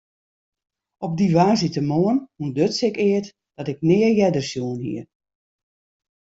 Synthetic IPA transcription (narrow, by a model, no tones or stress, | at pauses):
ɔb̚diʋaːsitəmoənhundøtsɪkɪət | d̥ɔtɪk̚nɪərjɛdərsjuənhḭə